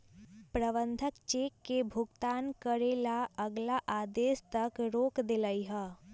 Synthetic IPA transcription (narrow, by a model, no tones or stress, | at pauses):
pɾəʋə̃nd̪ʱəkt͡ʃeːkːebʱʊɡt̪aːnkəɾeːlaəɡlaʔaːd̪eːst̪ɐkɾoːkd̪ɪlaiɦɛː